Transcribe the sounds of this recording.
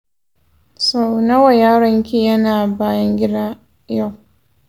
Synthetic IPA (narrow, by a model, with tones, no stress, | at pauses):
sa˨wna˦wa˨jaː˦ɾɐ˦ŋkʲi˦jɐ˦naː˨baː˦jɐ˦ŋɡʲɪ˦daː˦ | ja˦˨w